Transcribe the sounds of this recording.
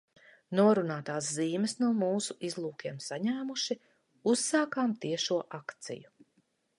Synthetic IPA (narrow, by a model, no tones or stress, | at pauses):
nuɔɾunaːt̪aːs̬ziːmɛsnuɔmuːsuʔizlˠuːkʲiɛmsaɲæːmuʃi | usːaːkaːmt̪iɛʃuɔʔakt̪sḭju